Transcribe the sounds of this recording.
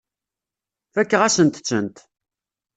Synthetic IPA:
fækːəʁæsənt̪t͡sːənt̪

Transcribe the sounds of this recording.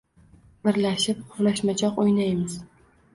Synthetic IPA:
bɪɾlaʃɪp̚qʰʊɾlaʃmat͡ʃʰɒqojnajmɪz

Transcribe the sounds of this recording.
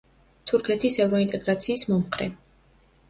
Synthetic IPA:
t̪ʰuɾkʰɛt̪ʰisɛvɾɔint̪ʼɛɡɾat̪sʰiːsmɔmχɾɛ̰

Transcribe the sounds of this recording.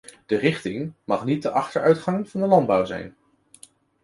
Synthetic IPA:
d̥ərɪχtɪŋmɑχnit̚dəʔɑχtəɹœɥtχɑŋv̥ɑndəlɑnd̚bʌwzɛ̰jn

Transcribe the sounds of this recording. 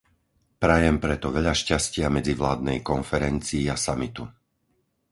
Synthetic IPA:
pɾajɛmpɾɛt̪ɔʋɛʎaʃcascɪamɛd͡ziʋlaːd̪nɛjkɔnfɛɾɛnt͡siːasamit̪u

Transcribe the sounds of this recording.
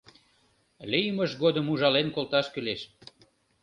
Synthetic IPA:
lijməʃɣod̪əmuʒɑlenkolt̪ɑʃkyleʃ

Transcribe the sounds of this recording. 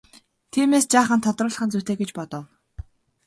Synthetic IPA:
t̪ʰiːmeːst͡ɕaːχə̆nt̪ʰːɔt̪rʊːɮə̆χə̆nt͡sut̪eːɡet͡ɕpɔt̪ɞ̆w

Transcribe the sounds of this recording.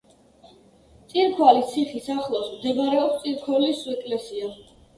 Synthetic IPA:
t̪sʼiɾkʰwalit̪sʰiχisaχlˠasmd̪ɛbaɾɛɔpst̪sʼiɾkʰɔlisuɛkʼlɛsia

